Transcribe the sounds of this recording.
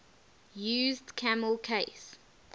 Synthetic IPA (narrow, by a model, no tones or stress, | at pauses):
juːzdkʰæməlˠkʰeɪs